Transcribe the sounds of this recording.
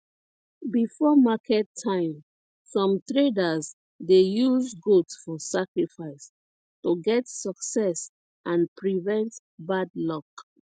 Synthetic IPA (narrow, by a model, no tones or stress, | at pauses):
bifɔmakʰɛtʰːãɪ̃m | sɔ̃mtɹedaz | dejuzɡotsfɔsakɹifaɪs | toɡɛtsɔksɛs | ʔãnpɹivɛ̃nt | badlɔk